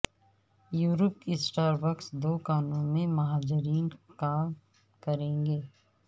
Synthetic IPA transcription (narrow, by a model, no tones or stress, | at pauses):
juːɾəp̚kisʈaːɾbəksd̪oːkaːnõmẽmɐɦaːd͡ʒɪɾiːnkaːm | kɐɾẽːŋɡeː